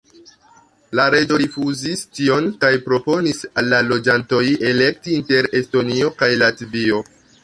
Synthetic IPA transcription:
laɾe̞d͡ʒo̞ɾifuzistio̞nkajpɾo̞po̞nisalːalo̞d͡ʒanto̞je̞le̞k̚tiinte̞ɾe̞sto̞nio̞kajlatvio̞

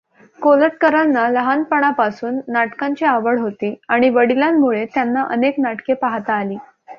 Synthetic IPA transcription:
koləʈ̪̚kəɾanːaləɦanpəɽ̃apasuːnːaʈkãɲt͡ɕiaʋəɽɦot̪iːaɽ̃iʋəɽiljamːuɭet̪janːaʔə̰neknaʈkepaɦt̪aːliː

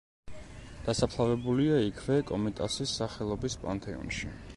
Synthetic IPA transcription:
d̪̥asapʰlˠavɛbuliaikʰvɛkʼɔmit̪ʼa̰sisːaχɛlˠɔbispʼa̰nt̪ʼɛɔ̰nʃi

